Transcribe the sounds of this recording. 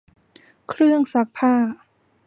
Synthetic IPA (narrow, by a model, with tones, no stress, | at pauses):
kʰɾɯ˥˩əŋsa˨˦˥k̚pʰaː˥˩